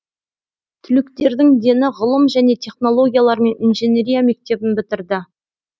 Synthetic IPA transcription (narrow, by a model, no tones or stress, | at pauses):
t̪ʰʏlɪkt̪e̞ɾd̪ɪŋd̪e̞nɪʁʊlˠəmʒæne̞t̪ʲʰe̞χno̞lˠo̞ɡʲijalˠɑɾme̞ninʒene̞ɾijame̞k̚t̪e̞bɪnbɪt̪ɪɾd̪ɪ